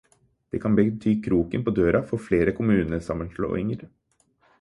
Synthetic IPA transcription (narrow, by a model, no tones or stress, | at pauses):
d̪̥ɛːkʰɑnbət̪ʰyːkʰɾuːkənpoːd̪øːɾɑfɔɾfleːɾəkʰʊmʉːnəsɑmːənʂlo̰ːɪŋəɾ